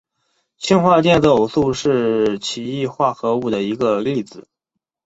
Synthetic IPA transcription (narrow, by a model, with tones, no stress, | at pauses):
t͡ɕʰi˥nxwa˥˧t͡ɕjɛ˥˧nt͡so˥˨˩ʊsu˥˧ʂɻ̩˥˩t͡ɕʰi˨˧˥i˥˧xwa˥˩xɤ˧˥u˥˩d̪ə˩i˧˥ɡə˧li˥˩d͡zɹ̩˨˩